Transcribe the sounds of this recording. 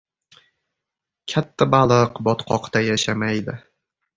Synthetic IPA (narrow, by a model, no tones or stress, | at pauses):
kʲʰat̪ʰːabalˠɨqbɒt̪qʰɒqt̪ajaʃamajd̪ɪ